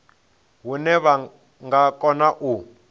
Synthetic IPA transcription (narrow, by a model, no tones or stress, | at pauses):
ɦunɛβa | ŋɡakʼɔnaʔu